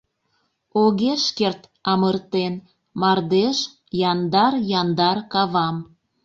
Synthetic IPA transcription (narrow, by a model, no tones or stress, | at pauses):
oɣeʃkert̪ɑmərt̪en | mɑrd̪eʃ | jɑnd̪ɑrjɑnd̪ɑrkɑβɑm